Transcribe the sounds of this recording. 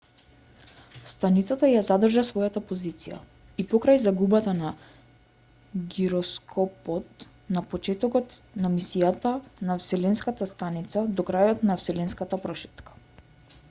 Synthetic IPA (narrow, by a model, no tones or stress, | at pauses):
st̪anit̪sat̪ajazad̪r̩ʒasvɔjat̪apozit̪sija̰ | ipɔkɾajzaɡubat̪ana | ɡiɾɔskʰɔpɔt̪ | napɔt͡ʃɛt̪ɔkɔt̪namisijat̪anafsɛlɛnskat̪ast̪anit̪sad̪ɔkɾajɔt̪nafsɛlɛnskat̪apɾɔʃɛ̥t̪kḁ